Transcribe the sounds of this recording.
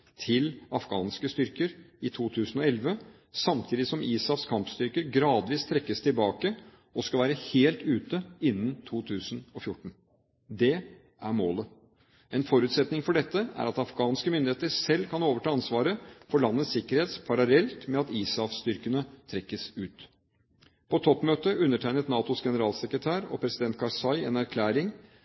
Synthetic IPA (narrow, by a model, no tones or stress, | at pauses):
t̪ʰɪlɑfɡɑ̰ːnskəst̪ʏɾkəɾɪt̪ʰuːt̪ʰʉːsənɔɛlʋə | sɑmt̪ʰiːd̪ɪsɔmʔiːsɑfskʰɑmpst̪ʏɾkəɾɡɾɑːd̪ʋiːst̪ʰɾɛkːəst̪ʰɪlbɑːkə | ɔskɑlʋæːɾəheːlt̪ʉːt̪əɪnːənt̪ʰuːt̪ʰʉːsənɔfjʊʈːɳ̩ | d̪ɛ | ʔæɾmoːlə | ɛnfɔɾʉːt̪sɛt̪nɪŋfɔɖɛt̪ːəæ̰ɾɑt̪ɑfɡɑːnskəmʏnd̪ɪeːt̪əsɛlːkʰɑnoːʋəʈʰɑːɑnsʋɑːɾəfɔɭɑnːət̪sɪkːəɾheːt̪spʰɑɾɑlɛlt̪mɛɑt̪iːsɑfst̪ʏɾkənət̪ʰɾɛkːəsʉːt̪ | pʰɔt̪ʰɔpːmøːt̪əʔʉnːəʈʰæɪnət̪nɑːt̪ʊsɡɛnəɾɑːlsɛkɾət̪ʰæːɾɔ̰pʰɾɛsɪd̪ɛnt̪̚kʰɑɾsɑɪɛnæɾkʰlæːɾɪŋ